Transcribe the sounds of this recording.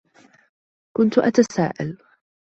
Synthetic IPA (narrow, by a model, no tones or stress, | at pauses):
kʊnt̪ʊʔat̪asa̰ːʔal